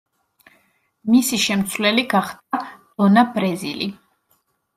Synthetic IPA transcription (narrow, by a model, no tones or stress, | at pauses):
misiʃɛmt̪sʰvlɛliɡaχd̪̥ad̪̥ɔnabɾɛzḭli